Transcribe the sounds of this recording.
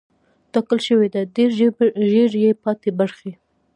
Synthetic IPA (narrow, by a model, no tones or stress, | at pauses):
t̪ɑkəlʃəwed̪ad̪eɾʒeɾjepɑt̪ebaɾxe